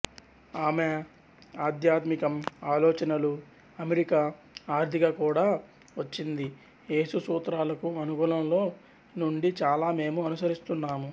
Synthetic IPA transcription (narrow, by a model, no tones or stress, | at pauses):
aːme | aːd̪jaːt̪mikɐmaːlɔːt͡ʃɐnɐlu | ɐmeɾika | aːɾt̪ʰiɡaːkuːɽaː | ʋɐt͡ʃːind̪i | e̞ːsusuːt̪ɾaːlɐkuɐnukuːlɐmlo̞ː | nuɳɖit͡ʃaːlaːme̞ːmuɐnusɐɾist̪unːaːmu